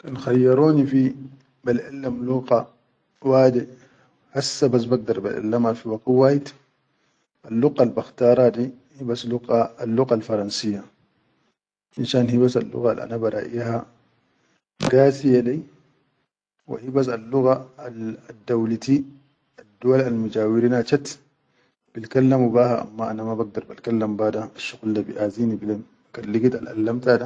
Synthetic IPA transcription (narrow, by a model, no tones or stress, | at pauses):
kanxajːɑɾoːnifi | balʔalːamluqɑ | waːd̪i | hasːabas̬baɡ̚d̪ɑɾˤba̰lʔa̰lːamafiwaquwaːjit̪ | ʔalːuqalbaxt̪ɑːɾˤɑd̪i | hibasluqaalːuɣalfɑɾˤɑnsijːa | ʔinʃaːnɦiβasa̰lːṵɣa̰lʔa̰nabɑɾˤa̰ːʔiha | ɡaːsijali | wa̰ʔibas̬alːuɣa | d̪ːawlit̪i | ad̪ːuwalalmud͡ʒaːwiɾiːnat͡ʃat̪ | b̥ilkalːamubahaʔa̰mːaʔanamabaɡ̚d̪ɑɾˤbalkalːambaːd̪aaʃːuɣldabḭʔaːziːnibilen | kalliɡit̪a̰lʔa̰lːamt̪ada